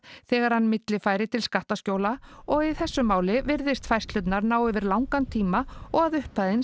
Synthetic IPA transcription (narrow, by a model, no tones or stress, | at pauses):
θɛːɣaɾ̥hanːmɪt̪lɪfaːjɾɪt̪ʰɪlskaht̪ascoːwlaɔɣiθɛsːʏmaːwlɪvɪɾðɪst̪fajst̪lʏt̪naɾnaːwɪvɪɾlawŋkant̪ʰiːmaɔɣaðʏhpaðɪn